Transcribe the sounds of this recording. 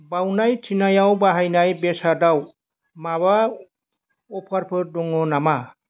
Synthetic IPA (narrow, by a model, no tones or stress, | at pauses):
bawnajtʰinajawbaɦajnajbɛsadaw | maβa | ɔpʰaɾpʰɯɾdɔŋɔnama